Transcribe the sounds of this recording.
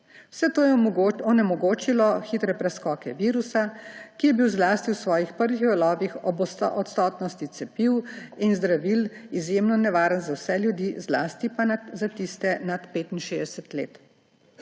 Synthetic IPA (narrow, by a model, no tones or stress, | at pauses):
w̥sɛt̪oːjɛɔnɛmɔɡoːt͡ʃilɔxit̪ɾɛpɾɛskɔːkɛʋiːɾusakijɛbiwzlaːst̪iwsʋɔːjixpəɾʋixʋɛlɔːbixɔbɔst̪ɔ̰ʔɔt̪st̪ɔːt̪nɔst̪it̪sɛpiwinzd̪ɾaʋilizjemnɔnɛʋaːɾənzawsɛljud̪izla̰ːst̪ipanazat̪ist̪ɛnat̪peːt̪inʃeːd̪ɛsɛt̪lḛːt̪